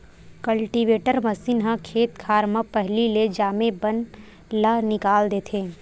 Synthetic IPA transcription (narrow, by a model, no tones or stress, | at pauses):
kəlʈiʋeːʈəɾmɐsinɦə̃kʰeːt̪kʰaːɾmə̃pɛɦliled͡ʒaːmebən | lənɪkaːld̪eːt̪ʰẽː